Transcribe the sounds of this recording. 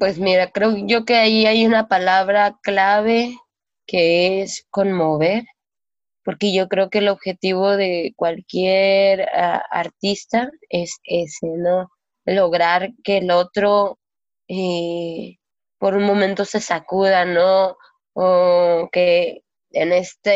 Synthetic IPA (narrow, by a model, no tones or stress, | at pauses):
pwe̞zmiɾakɾe̞oʝo̞ke̞aiajunapalaβɾaklaβe̞ | ke̞esko̞nmo̞βe̞ɾ | po̞ɾke̞ʝo̞kɾe̞oke̞lo̞βxe̞t̪iβ̞o̞ðe̞kwalkjeɾa̰a̰ɾt̪ist̪aeseseno̞ | lo̞ɣɾaɾke̞ːlo̞t̪ɾo̞ | e | po̞ɾunmõ̞mẽnt̪o̞se̞sakuðanoː | ke | ene̞st̪e